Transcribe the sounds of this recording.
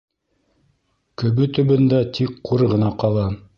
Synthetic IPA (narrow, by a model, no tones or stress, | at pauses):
kɵ̆βɵt̪ɵ̆βɵ̆nd̪æt̪ʰikqːuɾʁɤ̆nɑqɑlˠɑ